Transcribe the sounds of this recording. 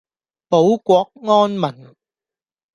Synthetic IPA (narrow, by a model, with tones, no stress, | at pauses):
po˨˥wkʷɔː˧˥k̚ŋɔː˥nmɐ˨˩n